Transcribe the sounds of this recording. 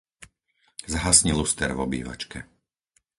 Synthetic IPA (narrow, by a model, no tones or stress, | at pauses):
zaɦasɲilust̪ɛɾvɔbḭːʋa̰t͡ʃkʰɛ